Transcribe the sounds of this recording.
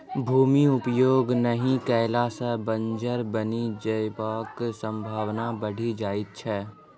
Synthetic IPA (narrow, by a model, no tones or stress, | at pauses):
bʱuːmiʊpjoːɡnəɦĩkɛːlasəbə̃ɲd͡ʒəɾbənid͡ʒəpaːksə̃mbʱaːwnabəɽ̤ʱid͡ʒaːɪt̪̚t͡ʃʰɛː